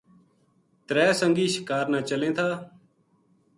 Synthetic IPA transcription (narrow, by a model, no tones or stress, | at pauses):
t̪ɾɛːsəŋɡiːʃɪ̥kaːɾnaːt͡ʃəlẽːt̪ʰaː